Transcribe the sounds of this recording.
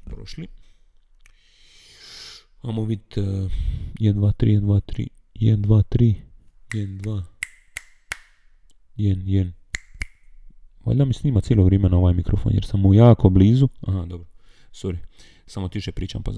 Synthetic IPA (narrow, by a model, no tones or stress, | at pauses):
pɾoʃli | amoʋit̪ | jɛd̪nd̪ʋaːt̪ɾḭːjnd̪ʋat̪ɾḭː | jɛ̰d̪nd̪ʋaːt̪ɾiːjɛd̪nd̪ʋaː | jɛnjen | ʋo̰lʲd̪amisniːmat̪sjeloʋɾeːmenaoʋaːjmikɾofo̰njeɾsamujaːkobliːzuaɦad̪obɾo | suɾi | samot̪iʃepɾiːt͡ʃa̰mpa̰